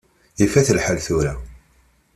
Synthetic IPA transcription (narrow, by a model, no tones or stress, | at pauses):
ifæθəlħalθuɾæ